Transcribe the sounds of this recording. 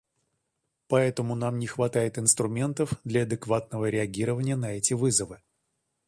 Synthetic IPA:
pɐɛt̪əmʊnamnʲɪxvɐt̪ajɪt̪ɨnst̪ɾʊmʲe̞nt̪əfd̪lʲɐɐd̪ɨkvat̪̚nəvəɾʲɪɐɡʲiɾəvənʲɪjənɐɛtʲɪvɨzəvɨ

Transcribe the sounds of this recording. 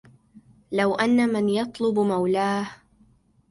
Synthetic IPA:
lawʔanːamɪnjɑt̪ˤlʊbmawlaːh

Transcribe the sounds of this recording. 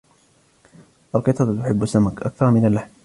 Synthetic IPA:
ʔalqɨt̪ˤɑt̪t̪ʊħɪbːasːamakʔa̰kθɑɾˤmɪnalːaħm

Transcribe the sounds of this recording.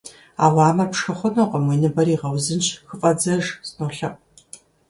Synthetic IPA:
a̰ːʁɑːmɐpʂxɐχʷɔnoqɐmwinɨbɐɾiːʁɐwzɨnt͡ʃxɨfʼɐd͡zɐʒsnoːɬɐpʼ

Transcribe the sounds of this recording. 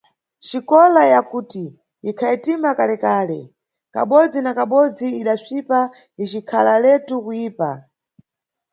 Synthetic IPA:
t͡ʃikɔlajakuːti | ikʰaitimakalɛkaːlɛ̰ | ka̰ɓɔd͡zinakaɓɔd͡ziiɗat͡ʃipa | it͡ʃikʰalalɛtukujiːpa

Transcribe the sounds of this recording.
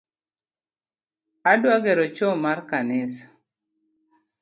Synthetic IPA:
adwaɡɛɾɔt͡ʃomarkanɪs

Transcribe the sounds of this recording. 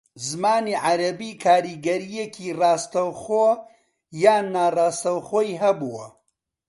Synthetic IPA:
zmaːniːʕaɾɐbiːkʰaːɾiːɡɐɾijekʰirɑːst̪ɐwχoː | jaːnːaːrɑːst̪ɐwχoːjɦɐbuːwɐ

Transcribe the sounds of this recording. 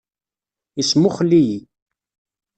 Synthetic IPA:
ismʊχəlːiji

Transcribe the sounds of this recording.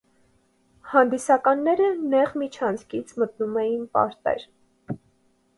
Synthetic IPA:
hɑnd̪isɑkɑnːɛɾənɛʁmit͡ʃʰɑnt͡sʰkit͡sʰmət̪numɛjinpɑ̰ɾt̪ɛ̰ɾ

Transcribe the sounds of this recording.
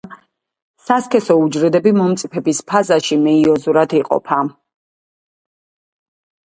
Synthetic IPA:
saskʰɛsɔud͡ʒɾɛd̪ɛbimɔmt̪sʼipʰɛbispʰazaʃimɛiɔzuɾad̪ʰiqʼɔ̰pʰa

